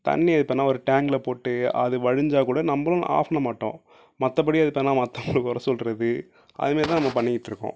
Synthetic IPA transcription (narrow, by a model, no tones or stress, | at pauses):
t̪ɐ̰nːiɐðɯpːɐnːaːɔɾɯʈaːŋɡlɐpoːʈːɯɐ̰ðɯʋɐɻɯɲd͡ʒaːkuːɽɐnɐmbɐlʊ̃na̰ːfɐnɐmaːʈːõ̰ː | mɐt̪ːɐp̬ɐɽiɐðɪpːɐnːaːmɐt̪ːɐŋɡɐɭɯkːʊɾɐsɔlɾɐðɯ | ʔɐ̰ðɯmeːɾt̪ãːnɐmːɐpɐɳːɪkːɪʈːɪɾɯkːõ̰ː